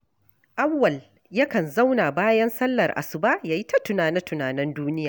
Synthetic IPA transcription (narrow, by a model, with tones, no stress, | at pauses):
ʔa˦wːɐ˨l | jɐ˦kɐ˨nza˦wna˨baː˦jɐ˦nsɐ˦lːɐ˨rʔa̰˨sʊ˨baː˦jaː˨ji˦tɐ˦tʊ˨naː˨nɛ˦tʊ˨naː˨nɛ˦nduː˦nɪ˦jaː˨